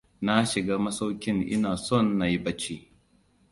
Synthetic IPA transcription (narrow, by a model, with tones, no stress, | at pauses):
na˦ʃɪ˨ɡaː˦mɐ˦sa˦wkʲɪ˦ŋʔɪ̰˦naː˨sɔ˦˨nːa˨ji˦bɐ˦t͡ʃiː˦